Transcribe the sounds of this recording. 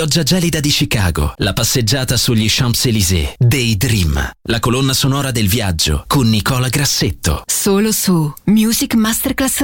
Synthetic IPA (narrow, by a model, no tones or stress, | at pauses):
ɔd͡ʒːad͡ʒɛlid̪ad̪it͡ʃika̰ːɡo̰lapasːed͡ʒːaːt̪asuʎːiʃampselizḛd̪ejd̪ɾimlakolonːasonɔːɾad̪elvjad͡ʒːo̰konːikɔːlaɡɾasːet̪ːo̰soːlosumjuːzikmast̪erklas